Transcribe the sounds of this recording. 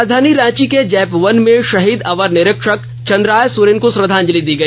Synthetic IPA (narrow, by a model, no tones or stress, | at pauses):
d̪ʱaːniɾãːt͡ʃiked͡ʒɛːpʋɐnmẽʃɐɦiːd̪ɐʋəɾnɪɾɪkʃək | t͡ʃɐ̃nd̪ɾaːjsʊɾeːnkosɾəd̪ʱãːɲd͡ʒəlid̪iːɡɐi